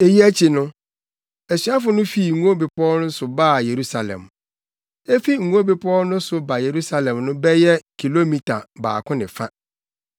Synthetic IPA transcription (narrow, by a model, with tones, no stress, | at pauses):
e˨ji˦æ˦t͡ɕʰi˨nʊ̃˦ | æ˨sɥa˦fʊ˨nʊ̃˦fi˨ŋ̩˨ũ˦o˦be˨pʰɔ˦nʊ̃˦n̩˦sʊ˨baː˦˨je˨ɾu˦sa˨lɛ̰̃˨m | e˦fi˦ŋ̩˨ɡũ˦o˦be˨pʰɔ˦nʊ̃˦sʊ˨ba˨je˨ɾu˦sa˦lɛ̃˨mnʊ̃˦bɛ˦jɛ˦kʰi˨lo˦mĩ˦tʰa˨ba̰ː˨kʰʊ̃˦nɪ̃˨fã˦